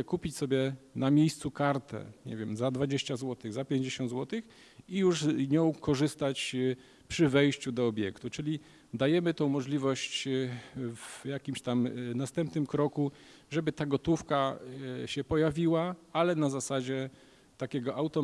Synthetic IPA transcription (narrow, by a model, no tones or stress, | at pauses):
kupʲit͡ɕsɔbʲjɛnamʲjejst̪sukaɾt̪ɛ̰ɲɛ̰vʲjɛmzad̪vad͡ʑeɕt͡ɕazwɔt̪ɘɣzapʲjeɲd͡ʑeɕɔnd̪zwɔt̪ɘx | ijuʐzɲɔ̃w̃kɔʐɘst̪at͡ɕ | pʂɘvɛjɕt͡ɕud̪ɔːbʲjɛkt̪ut͡ʂɘlʲi | d̪ajɛmɘt̪ɔ̃w̃mɔʐlʲivɔɕt͡ɕ | vjakʲimɕt̪amnast̪ɛmpnɘmkɾɔku | ʐɛbɘt̪aɡɔt̪ufkaɕɛpɔjavʲiwaalɛnazasad͡ʑɛ | t̪akʲɛɡɔʔawt̪ɔ